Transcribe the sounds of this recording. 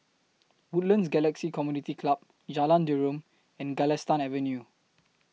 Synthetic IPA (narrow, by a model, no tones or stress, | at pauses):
wutlə̃nsɡɛlɛksikɔmjunitikʰlap̚ | d͡ʒalãndiɹõm | ɛ̃nɡɛlɛstãnɛvə̃nju